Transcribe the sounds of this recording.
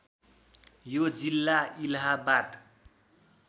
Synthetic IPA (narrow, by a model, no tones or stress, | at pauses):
jod͡zilːailɦabat̪